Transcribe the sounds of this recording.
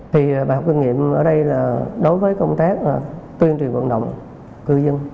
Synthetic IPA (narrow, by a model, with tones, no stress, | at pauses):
t̪ʰi˨˩ɓaː˨˩ɦk͡p̚ki˧ŋḭ˧˨əmʔəː˧˩ɗə˧jlaː˨˩ɗo˨˦jvəː˨˦jkə˧wŋ͡mt̪aː˦˥k̚ːt̪wi˧ənt͡ɕwi˨˩ənvə̰˧˨nɗə̰˧˨wŋ͡m | kɨ˧zə˧n